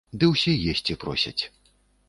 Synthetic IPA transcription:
d̪ɨwsʲijesʲt͡sʲipɾɔ̰sʲɐ̰t͡sʲ

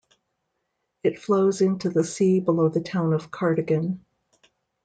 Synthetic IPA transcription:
ɨtfloʊzɪ̃ntʉðɨsibəloʊðɨtʰãʊ̃nʌv̥kʰɑɹɾɨɡɨ̃n

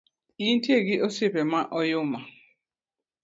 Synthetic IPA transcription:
intjeɡɪʔɔsɪpɛmaʔɔjʊma

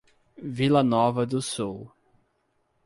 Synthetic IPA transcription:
vilɐnɔvɐd̪ʊsuw

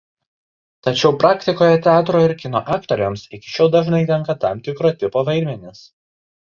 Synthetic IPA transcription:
t̪ɐt͡ʃʲɛʊpɾɑːkʲt̪ʲɪkoːjɛt̪ʲɛɑːt̪ɾoːɪɾkʲɪno̰ːʔɑːkt̪oɾʲomsɪkʲɪ̥ʃʲoːʊd̪ɐʒnɐɪt̪ʲɛŋˑkɐt̪ɑˑmt̪ʲɪkɾoːt̪ʲɪpoːʋɐɪɾʲmʲɛnʲɪs

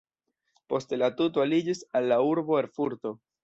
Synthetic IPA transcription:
po̞stelatutoalid͡ʒisalːauɾbo̞eɾfuɾto̞

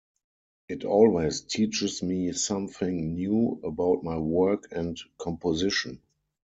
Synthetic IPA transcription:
ʔɪtʰɔlweɪstʰiːt͡ʃɪsmiːsãmθɪ̃ŋnjuːəbaʊt̚maɪwɜ˞kʰɛ̃ntkʰɔ̃mpʰɔzɪʃɔ̃n

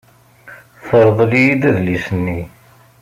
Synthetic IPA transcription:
θəɾˤðˤlijid̪æðlisənːi

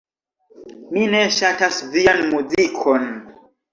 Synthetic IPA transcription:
mine̞ʃatasvianmuzikʰo̞n

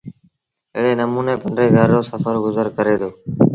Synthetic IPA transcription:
ɪːɽeːnəmuːneːpəɳɖɾeːɡʱaɾːoːsəfəɾɡʊzəɾkəɾeːd̪oː

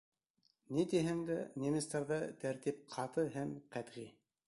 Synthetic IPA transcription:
nit̪iɦɘŋd̪ænʲemʲɪst̪ɑɾðɑt̪æɾt̪ip̚qʰɑt̪ɤɦæmqæt̪ʁi

